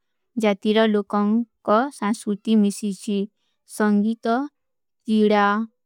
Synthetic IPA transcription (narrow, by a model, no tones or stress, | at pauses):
d͡ʒat̪iɾɔlokɔŋkɔsãnskut̪imisit͡ʃʰi | sɔŋɡit̪ɔ | t͡ʃiɽa